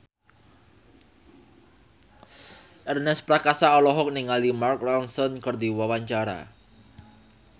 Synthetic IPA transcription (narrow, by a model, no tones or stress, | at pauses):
ʔɛrnɛspɾakasaɔlɔɦɔk̚niŋalimark̚lɔnsɔnkərd̪iwawaɲt͡ʃaɾa̰